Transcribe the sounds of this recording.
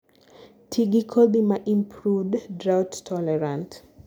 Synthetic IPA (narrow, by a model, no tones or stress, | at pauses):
tʰiɡikʰɔldimaʔĩmpʰɹuvddɹawttʰɔlɛɹãnt